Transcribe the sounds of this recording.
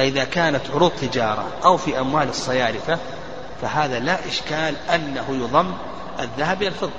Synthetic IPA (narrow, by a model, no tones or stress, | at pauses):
aʔɪðakaːnat̪ʕʊɾuːd̪̚ˤt̪ːɪd͡ʒɑːɾˤɑ̰ʔawfiʔamwaːlɨsˤːɑjaːɾɪθa | faɦaːðalaʔɪʃkaːlʔanːahʊjʊðˤɑmː | ʔaðːaɦabialfɨðˤ